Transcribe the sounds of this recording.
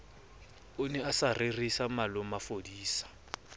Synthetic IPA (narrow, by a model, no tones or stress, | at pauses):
ʊnɛasaririsamalʊmafodiːsḁ